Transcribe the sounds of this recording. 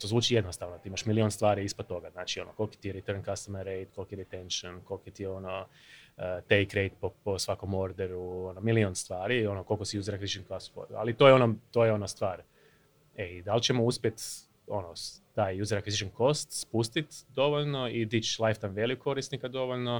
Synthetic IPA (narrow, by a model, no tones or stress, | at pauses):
t̪o̞zʋuːt͡ʃije̞d̪nost̪aʋnot̪iimaʃmilionst̪ʋaːɾiispod̪t̪ːo̞ɡaznaːt͡ʃio̞no̰ko̞lˠki̥t̪ieɾit̪əɾnkast̪amaɾejt̪kolkijed̪et̪enʃonko̞lkiet̪ieo̞no | t̪ejkɾejt̪poposʋako̞mo̞ɾd̪eɾuonomilionst̪ʋaːɾio̞noko̞lˠkosijuːzeɾakʋizit͡ʃenkast̪fo̰d̰a̰lit̪ojeo̞not̪o̞jeo̞nost̪ʋaːɾ | eid̪alt͡ʃe̞mouspje̞t̪ | o̞̰not̪aːjjuzeɾakʋizit͡ʃenko̞st̪spust̪it̪d̪o̞ʋoʎno̞id̪it͡ʃlˠajft̪ajmʋelikkʰo̞ɾisnikad̪o̞ʋoʎno̞